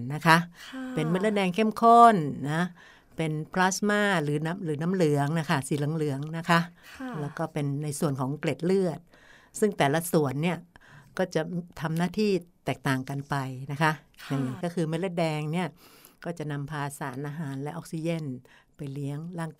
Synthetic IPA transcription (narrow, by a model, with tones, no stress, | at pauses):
na˦˥kʰa˦˥ʔpe˧nme˧˥le˥t̪̚dɛː˧ŋkʰe˥˩mkʰo˥˩nːa˦˥ | pe˧npʰlaː˦˥smaː˥˩lɯː˩˦na˦˥mlɯː˩˦na˦˥mlɯ˨˩˦əŋna˦˥kʰa˥˩siː˨˦lɯ˨˩˦ŋlɯ˩˦əŋna˦˥kʰa˦˥ʔlɛː˦˥wkɔː˥˩pe˧nːa˧jsu˨˩ənkʰɔː˩˦ŋkle˨˩t̪̚lɯ˥˩ət̪̚ | sɯ˥˩ŋt̪ɛː˨˩la˦˥su˨˩ənːi˥˩ɐkɔː˥˩t͡ɕa˨˩t̪ʰa˧mnaː˥˩t̪ʰiː˥˩t̪ɛː˨˩k̚t̪aː˨˩ŋka˧npa˧jna˦˥kʰa˦˥ʔja˨˩ŋi˧˩kɔː˥˩kʰɯː˧me˦˥t̪̚le˥˩t̪̚dɛː˧ŋni˥˩ɐ | kɔː˥˩t͡ɕa˨˩na˧mpʰaː˧saː˩˦nʔaː˧ɦaː˩˦nlɛ˦˥ʔɔ˦˥k̚si˧t͡ɕe˧˥˩npa˧jli˦˥əŋlaː˥˩ŋ